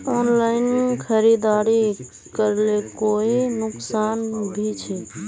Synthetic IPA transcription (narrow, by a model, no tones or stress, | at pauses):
onlaɪnkʰəɾid̪aɾi | kəɾlekoinʊksanbʱit͡ʃʰɛ